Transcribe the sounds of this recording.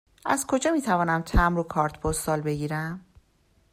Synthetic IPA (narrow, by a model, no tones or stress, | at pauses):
ʔæzkʰo̞d͡ʒɒːmiːt̪ʰævɒːnæmt̪ʰæmɾokʰɒːɾt̪ʰbʰost̪ɒːlbe̞ɡiːɾæm